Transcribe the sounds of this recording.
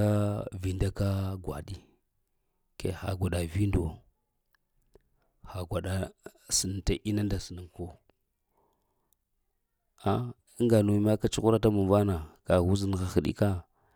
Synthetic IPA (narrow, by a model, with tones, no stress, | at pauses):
a˦vi˨nda˦ka˦ɡʷa̰˨ɗi˦ | kḛ˨xa̰˨ɡʷa˨ɗa˨vi˦ndo˨ | xa˨ɡʷa˨ɗa˨si˨n˨ta˨ʔi˦na˦nda˨si˨nə˨ŋko˦ | a˦˨ | i˦ŋɡa˨no˨˦ma˦ka˦t͡ʃu˦ku˦ɾa˦t̬a˦mu˨va˦na˨ka˨ɣu˦zi˦n˨xa˨xi˨ɗḭ˦ka˦